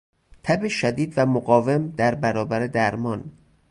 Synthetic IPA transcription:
t̪ʰæbeʃæd̪iːd̪væmoɡɒːve̞md̪æɾbæɾɒːbæɾed̪æɾmɒn

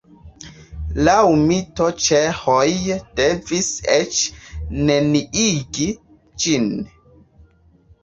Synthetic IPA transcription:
lawmitot͡ʃehojd̥eviset͡ʃneniiɡi | d͡ʒin

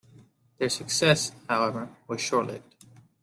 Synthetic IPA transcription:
ðə˞sɨksɛshaʊɛvə˞wʌz̥ʃɔɹʔˡlɪ̰fd

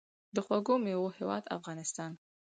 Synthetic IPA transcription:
d̪əxwaɡomewohewɑ̰d̪a̰fɣɑnɪst̪ɑn

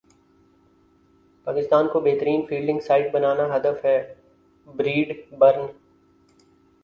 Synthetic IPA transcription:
paːkɪst̪aːnkobeːɦt̪əɾiːnfiːlɖɪ̃ŋɡsaːɪʈ̚bɐnaːnaɦɐd̪əfɦɛː | bɾiːɖbɐɾn

